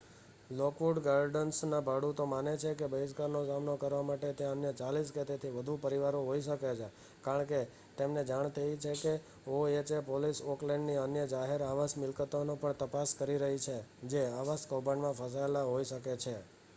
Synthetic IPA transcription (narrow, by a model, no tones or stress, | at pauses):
lɔkʋuɖɡaɾɖənsnãbʱaɽut̪omanet͡ʃʰekebəiskaɾnosamnokəɾʋamaʈet̪jãənjət͡ʃalisket̪et̪ʰiʋəd̪ʱũpəɾiʋaɾõɦoiʃəket͡ʃʰe | kaɾəɳke | t̪emned͡ʒaɳ̃t̪ʰəit͡ʃʰeke | oet͡ʃepolisoklẽɳɖniənjəd͡ʒaɦeɾaʋasmɪlkət̪onopəɳt̪əpaskəɾiɾəɦit͡ʃʰed͡ʒeaʋaskobaɳmãfʰəs̬aelaɦoiʃəket͡ʃʰe